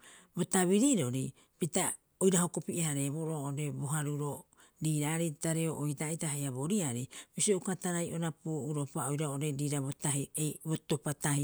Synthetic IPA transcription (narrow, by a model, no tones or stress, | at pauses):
bo̞taβiɾiɾo̞ɾi | pita | ojɾaɦoko̞piʔehaɾeboɾoʔoɾe̞bo̞ɦaɾuɾo̞ | ɾiːɾaːɾitaɾeoʔojtaitaɦajaβoɾiaɾimisioukataɾajʔonapuuɾo̞paojɾaoʔoɾeɾiːɾaβotaɦiebotopatahi